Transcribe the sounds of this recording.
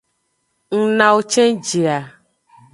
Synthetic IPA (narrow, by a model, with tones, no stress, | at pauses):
ŋ̩˨nã˨wo˦t͡ʃɛ̃˦d͡ʒi˨a˨